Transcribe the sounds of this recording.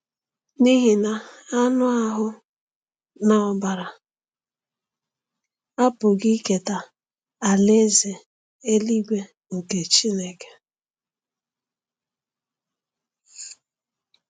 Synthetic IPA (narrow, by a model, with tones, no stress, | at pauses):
ni˦ɦi˨na˨a˦nʊ˦a˦ɦʊ˦ | na˦ɔ˦ba˨ɾa˨ | a˦pʊ˨ɡi˦ke˨ta˨ | a˨le˦ze˨ | e˦li˦ɡʷe˦ | ŋ̩˨ke˨t͡ʃi˦ne˨ke̥˨